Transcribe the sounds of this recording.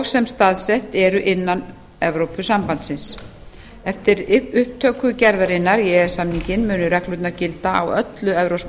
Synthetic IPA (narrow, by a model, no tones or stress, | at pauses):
ɣsɛmst̪aːðsɛht̪ɛɾʏʔɪnːan | ɛvɾowpʏsampant̪sɪns | ɛft̪ɪɾʏhpt̪ʰœːkʏcɛɾðaɾɪnːaɾjɛɛɾ̥samniɲcɪnmʏːnʏɾɛklʏt̪naɾcɪlt̪aawœt̪lʏɛvɾows